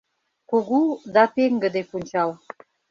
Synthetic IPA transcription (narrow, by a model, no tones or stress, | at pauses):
kuɣud̪ɑt̪eŋɡə̆d̪epunʲt͡ɕɑl